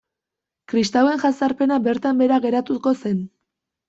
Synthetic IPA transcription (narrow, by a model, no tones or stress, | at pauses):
kɾist̪awe̞ŋʝasaɾpe̞nabe̞ɾt̪ambe̞ɾaɣe̞ɾat̪usko̞se̞n